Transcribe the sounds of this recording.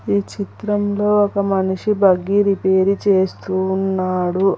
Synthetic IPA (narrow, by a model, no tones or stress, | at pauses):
iːt͡ʃit̪ɾɐmlo̞ːɔkɐmɐniʂibɐɡiɾipe̞ːɾit͡ʃe̞ːst̪unːaːɽu